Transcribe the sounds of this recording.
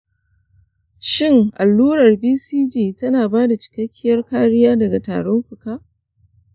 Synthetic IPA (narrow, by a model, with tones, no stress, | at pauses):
ʃɪ˦ŋʔa˨lːuː˦ɽɐ˨rbiː˦siː˦d͡ʒiː˨tɐ˦naː˨baː˦da˨t͡ʃɪ̥˨kɐ˦kʲʰːɪ˦jɐ˦rkaː˦ɽɪ˦jaː˦dɐ˨ɡa˨ta̰ː˨ɽɔ˦mɸʊ˨kaː˦ʔ